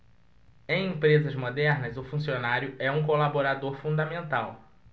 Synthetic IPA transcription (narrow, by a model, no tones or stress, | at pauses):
ẽj̃ẽpɾezɐzmod̪ɛɾnɐzʊfũsionaɾjʊɛũkolaboɾad̪oɾfũd̪ɐmẽnt̪aw